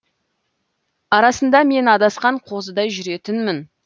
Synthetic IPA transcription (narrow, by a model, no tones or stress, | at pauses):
ɑɾɑsənd̪ɑme̞nɑd̪ɑsqɑɴqʰo̞zəd̪ɑjʒʏɾe̞t̪ɪnmɪn